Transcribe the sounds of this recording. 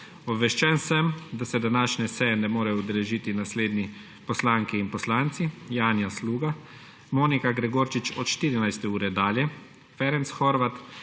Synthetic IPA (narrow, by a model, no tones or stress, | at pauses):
ɔbʋɛʃt͡ʃɛnsəmd̪asɛd̪anaːʃnɛsɛjɛnɛmoːɾɛud̪ɛlɛʒit̪inasleːd̪ni | pɔslaːŋkiːnpɔslaːnt̪sijaːnjasluːɡa | moːnikaɡɾɛɡoːɾt͡ʃit͡ʃɔt̪ʃt̪iːɾinajst̪ɛuːɾɛd̪aːljɛ | fɛɾɛnsxɔɾʋat̪